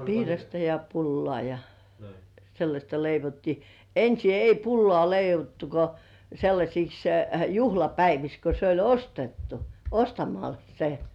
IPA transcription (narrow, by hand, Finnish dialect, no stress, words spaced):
piːrɑstɑ jɑ pulːŏɑˑ jɑ selːɑsʲtɑ leiʋotːiː ensi ei pulːŏɑˑ leiʋotːu ko selːɑsʲiks juhlɑpæiʋiks ko se olʲ ostetːu ostɑmɑl se